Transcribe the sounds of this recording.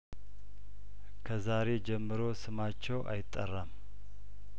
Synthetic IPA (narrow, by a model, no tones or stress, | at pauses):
kʰəzaɾe̞d͡ʒɛmːɨɾo̞sɨmat͡ʃːɛwʔa̰jɪt̪ʼːərːam